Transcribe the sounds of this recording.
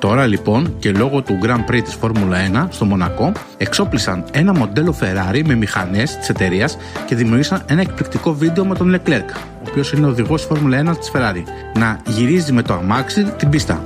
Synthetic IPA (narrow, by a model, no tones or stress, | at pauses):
t̪o̞ɾɐlipo̞nce̞lo̞ɣo̞t̪uɡɾɐmpɾit̪i̥sfo̞ɾmulɐe̞nɐst̪o̞mo̞nɐko̞ | e̞kso̞plisɐ̰ne̞nɐmo̞d̪e̞lo̞fe̞ɾɐɾime̞mixɐ̰ne̞st̪i̥se̞t̪e̞ɾiɐs | ce̞ðimiuɾʝisɐne̞nɐe̞k̚plik̚t̪iko̞vid̪e̞o̞me̞t̪o̞nlekle̞ɾk | o̞ːpio̞sineo̞ðiɣo̞sfo̞ɾmulɐe̞nɐt̪i̥sfe̞ɾɐɾi | nɐʝiɾizime̞t̪oɐ̰mɐksit̪ibist̪ɐ̰